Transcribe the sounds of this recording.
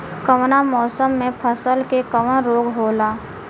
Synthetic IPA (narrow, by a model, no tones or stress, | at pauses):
kəwnamɔːsəmːẽpʰəsəlkekəwənɾoːɡɦoːlaː